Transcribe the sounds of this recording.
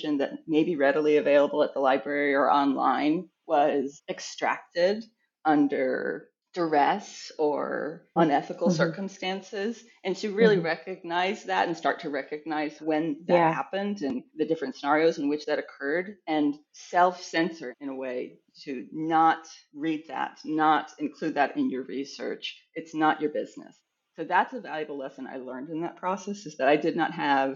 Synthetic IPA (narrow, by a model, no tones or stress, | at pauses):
ʒɨ̃nðɨ̰t̚meɪbiɹɛɾl̩ˠiɨveɪlˠəbl̩ˠət̪̚ðəlaɪbɹɛɹiə˞ʔɑ̃nlã̰ɪ̃n | wʌzɨkstɹ̥æ̰k̚tɪɾ | ʌ̃ndə̰˞ | d̥ə˞ɛsə̰˞ʌ̃nɛθəkl̩ˠsɜ˞kə̃m̩stæ̃nsɪz | ɨ̃ntʰɨɹɪlˠiɹɛkɨɡ̚naɪzðæ̰ɾɨ̃nstɑɹtʰɨɹɛkɨɡ̚naɪzwɨ̃nðɨt̚hæpɨ̃ndɨ̃nðɨdɪfɹɨ̃ntsənɑɹioʊzɨ̃n̩wɨt͡ʃðɨɾɨkʰɜ˞ɾɨ̃nsɛlˠfsɛ̃nsə˞ɨ̃ñəweɪ | ɾɨnətɹid̪̚ðæ̰t̚nəɾɨ̃nkʰl̥ʉd̪̚ðɨɾɪ̃njə˞ɹisɜ̰˞t͡ʃ | ɨtsnət͡ʃə˞bɪznɨ̰sː | oʊðætsəvælˠjɨbl̩ˠlɛsə̃na̰ɪlɜ̃˞ndɨ̃nðə̰t̚pʰɹ̥ɔsɛsɨzðɨɾaɪdɨdⁿnə̰t̚ɦɨv̥